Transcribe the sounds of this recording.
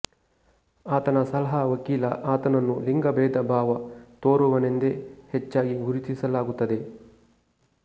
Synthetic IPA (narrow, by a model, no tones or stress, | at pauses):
aːt̪ɐnɐsɐlɐɦɐʋɐkiːlɐʔaːt̪ɐnɐnːuliŋɡɐbɛːd̪ɐbʱaːʋɐt̪oːɾuʋɐnend̪ehɛt͡ʃːaːɡiɡuɾit̪isɐlaːɡut̪ːɐd̪e̞